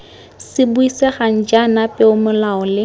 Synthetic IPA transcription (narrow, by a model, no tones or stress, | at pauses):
sɪbuisɛχan̩d͡ʒanapʼɪʊmʊlaɔlɪ